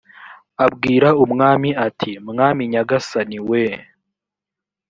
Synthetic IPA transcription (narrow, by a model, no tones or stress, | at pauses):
abɡiːɾaumŋaːmiatʰimŋaːmiɲaɡasaniwe